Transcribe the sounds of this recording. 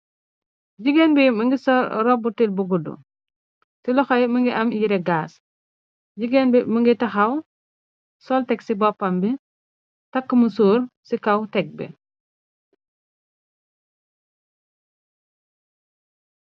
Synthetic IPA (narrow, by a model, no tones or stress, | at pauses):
ɟiɡɛnbiməŋɡisɔɾɾɔbutilbuɡudṵ | silɔxɐjməŋɡiʔɐmjiɾɛɡaːs | ɟiɡɛnbiməŋɡitɐxɐw | sɔltɛksibɔpːɐmbi | tɐkːməsuːɾsikɐwtɛk̚bɛ̰